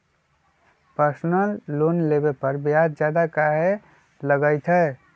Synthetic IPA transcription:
pəɾsnəlːoːnlebepəɾbjad̪d͡ʒjad̪akaɦe | ləɡəɪt̪ʰɦɛ

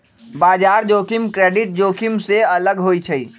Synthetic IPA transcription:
baːd͡ʒaːɾd͡ʒoːkimkɾeɖiʈ̚d͡ʒokʰimseələɡɦoit͡ʃʰəi

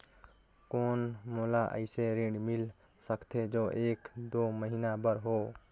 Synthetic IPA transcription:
koːnmolaʔə̰ɪseɾĩɖmil | səkʰt̪ʰed͡ʒoʔeːkd̪oːməɦinabəɾɦo

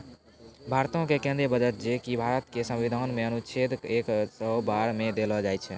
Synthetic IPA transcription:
bʱaɾt̪õkekẽnd̪ɾebəd͡ʒət̪̚d͡ʒekibʱaɾət̪kesə̃mʋid̪ʱanmeənut͡ʃʰed̪eksəbaɾmed̪elɔd͡ʒajt͡ʃʰɛ

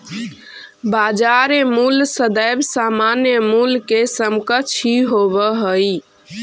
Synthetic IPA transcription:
bad͡ʒaɾemulsəd̪əjbsamanjəmulkesəmkət͡ʃʰiɦobəɦəj

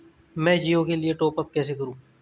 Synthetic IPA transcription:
mɛ̃ːd͡ʒiːõkelieʈoːpəp̚kɛːsekɐɾũː

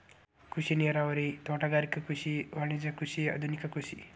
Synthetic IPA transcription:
kʰusineɾawɾet̪aʈaɡaɾikakusiwanid͡zakusiʌ̰d̪ʱunikakusi

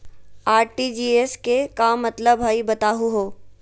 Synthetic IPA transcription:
aːɾʈid͡ʒiːeskekaːmːɐt̪ləbɦaːibɐt̪aːɦuɦoː

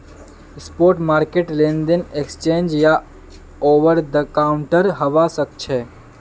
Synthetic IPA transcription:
spoːɾʈmaːɾkeʈlẽnd̪enekst͡ʃẽːnd͡ʒja | oʋəɾd̪əkaʊɳʈəɾɦəʋasək̚t͡ʃʰɛ

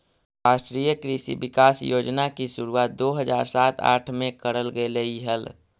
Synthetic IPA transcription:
ɾasʈɾijəkɾisḭbikasjod͡ʒnakisuɾuaːt̪̚d̪oɦəd͡ʒaɾsat̪a̰ʈʰmekəɾəlɡeləiɦəl

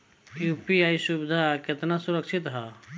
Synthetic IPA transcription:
jupiaːisubɪd̪ʱakɪt̪nasuɾəkʃʰɪt̪ɦa

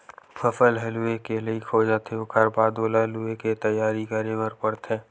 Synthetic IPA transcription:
pʰəfəlɦɐluekeleikʰoːd͡ʒaːt̪ʰeokʰəɾbaːd̪oːlaɦlueket̪əjaːɾikəɾẽməɾpəɽt̪ɛ̃ː

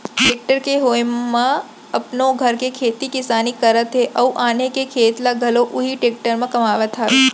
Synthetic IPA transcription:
ʈeːk̚ʈəɾkeɦoːjmã | ɐpnoɡʱɐɾkekʰeːt̪ikɪsaːnikəɾət̪ɦeʔɐuʔaːnekekʰeːt̪laɡʱɐloʔʊɦiʈeːk̚ʈəɾmãkɐmaːʋət̪ʰɦaːʋe

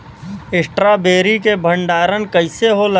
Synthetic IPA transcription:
ɪsʈɾabeːɾikebʱəɳɖaːɾənkəɪseɦolə

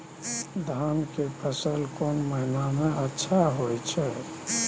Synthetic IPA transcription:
d̪ʱankepəsəlkoːnməɦɪnamẽətːʃʰaɦojt͡ʃʰɛ

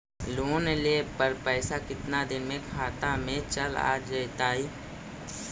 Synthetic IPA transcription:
loːneleːpəɾpɛːsakɪt̪nad̪ɪnmẽkʰaːt̪amẽt͡ʃəla̰ːd͡ʒejt̪aːiː

